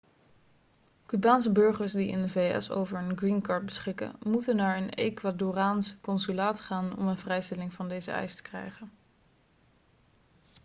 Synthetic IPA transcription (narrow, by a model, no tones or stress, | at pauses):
kybaːnsəbɵɹχəɹsdiɪ̰ndəvejɛ̰so̰wvəɹənɡrinkɑːɹt̚bəsχɪkə̰nmutənːaːɹənḛjkʋaːdoraːnskɔnsylaːtχaːnɔ̰mənvrɛjstɛlɪŋvɑndejzə̰ɛ̰jstə̥krɛ̰jχən